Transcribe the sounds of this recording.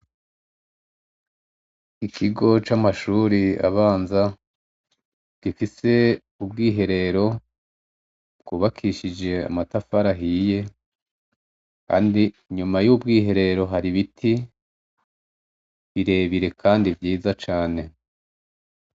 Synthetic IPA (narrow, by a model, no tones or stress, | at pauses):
ikʰiɡo̞t͡ʃamaʃuːɾia̰βaːnza | ɡ̥ifise̞ | ubɡiːɦe̞ɾe̞ɾo̞ | b̥ɡuːβakʰiʃid͡ʒe̞a̰matafaɾaɦije̞ | ka̰ːndi | ɲumajubɡiːɦe̞ɾe̞ɾo̞ɦaɾiβitʰi | βiɾe̞ːβiɾe̞kʰaːndibɟiːzat͡ʃaːne̞